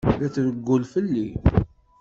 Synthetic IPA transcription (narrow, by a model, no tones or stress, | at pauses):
læθvəɡːʊlfəlːi